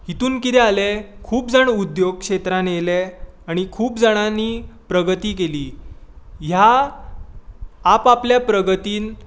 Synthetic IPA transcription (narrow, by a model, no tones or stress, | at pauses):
ɦit̪uːnkit̪ɛalekʰuːpd͡zaɽud̪joɡ̚kʂet̪ɾãnjeleaɽ̃ikʰuːpd͡zaɽ̃aniːpɾəɡət̪iːkeliː | ɦja | papljapɾəɡət̪iːn